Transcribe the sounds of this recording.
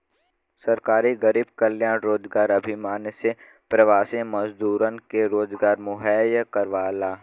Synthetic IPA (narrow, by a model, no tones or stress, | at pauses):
səɾkaːɾiɡəɾiːb̚kəljãːnɾoːd͡ʒɡaːɾəɐbʱimaːnse | pɾəʋaːsẽməzd̪uːɾənkeɾoːzɡaːɾmʊɦɛːjkəɾʋaːlaː